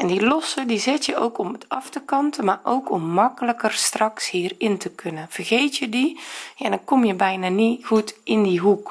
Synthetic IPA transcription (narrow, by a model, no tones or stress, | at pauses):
ʔɛndilɔsədizɪtjəʔowkɔmətɑftəkɑntəmaːʔowkʰɔmːɑkələkərstrɑkshiːrɪntəkʰɵnənv̥ərɣejtjədijadnkɔmjəbɛjnaːniɣutɪndiɦuk